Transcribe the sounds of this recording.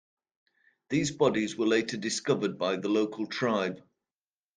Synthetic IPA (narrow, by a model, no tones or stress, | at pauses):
ðiːzbɒdɪzwəleɪtʰədɪskʌvəd̚baɪðəloʊkʰəlˠtʰɹ̥aɪb̥